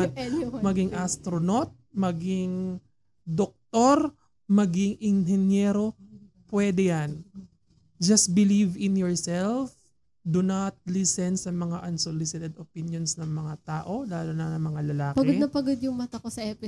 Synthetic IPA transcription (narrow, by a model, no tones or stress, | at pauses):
mɐɡɪŋʔast̪ɾonot̪̚mɐɡɪŋ | d̪ok̚t̪oɾ | mɐɡɪŋʔɪnɦɛnjɛːɾo̞ | pwɛd̪ɛjan | d͡ʒɐst̪̚bɪlivɪnjɔɹsɛlf | d̪unɐt̪̚lisɛnsɐmɐŋaʔɐnsolɪsɪt̪ɛd̪opinjonsnɐŋmɐŋat̪aːʔo̞laːlonɐnɐŋmɐŋalɐlaːkpɐɡod̪nɐpɐɡod̪jʊŋmɐt̪ɐkosɐʔɛpɪ